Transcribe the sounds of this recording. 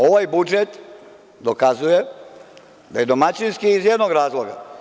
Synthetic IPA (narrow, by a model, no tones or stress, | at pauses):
o̞ʋajbud͡ʒet̪ | d̪okazuje | d̪aje̞d̪o̞mat͡ɕinskiːzjed̪noɡɾaːzlˠo̞ɡa̰